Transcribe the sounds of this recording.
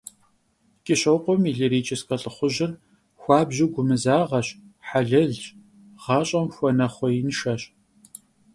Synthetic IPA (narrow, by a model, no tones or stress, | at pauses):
kʼɪɕʼɐwqʷɔmiɮɨɾiːt͡ʃʰʼɪskʼɐɬʼɨχʷʊʑɪr | xʷɑːbʑɪɡʷʊmɨzaːʁɐɕħaɮɐɮt͡ʃ | ʁ̥ɑːɕʼɐmxʷɔnɐχʷɔjɪnʃɐɕ